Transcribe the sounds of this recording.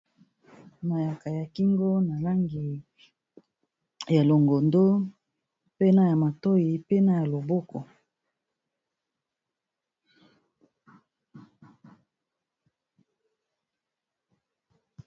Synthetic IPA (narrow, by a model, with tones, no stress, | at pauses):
na˨ja˨ka˨ja˨ki˦ŋɡo˦na˨la˦ŋɡi˨ | ja˨lo˨ŋɡo˨ndo˦ | pe˦na˦ja˨ma˨to˦ji˨pe˦na˦ja˨lo˨bo˦kɔ˨